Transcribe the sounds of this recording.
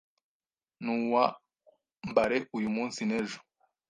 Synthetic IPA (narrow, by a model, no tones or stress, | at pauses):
nuwa | mbaɾeʔujumuːnsineʒu̥